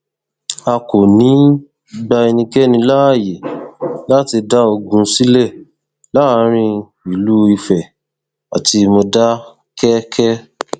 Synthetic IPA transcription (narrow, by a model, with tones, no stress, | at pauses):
a˧ko˨nĩ˨˦ | ɡ͡ba˧i˧nĩ˧kɛ˦nĩ˧la˦a˦˨je˨la˦ti˧da˦o˧ɡũ˧si˦lɛ˦˨ | la˦˧˦ɾ̃ĩ˧ | i˨lu˦i˧fɛ˨ | a˨ti˧mo˧da˦ | kɛ˦kʰɛ˦